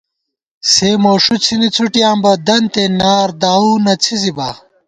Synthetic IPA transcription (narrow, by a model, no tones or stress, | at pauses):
seːmoːʂut͡sʰinit͡sʰuʈijãːmbɐd̪ɐnt̪enaːɾd̪aːuːnɐt͡sʰizibɐ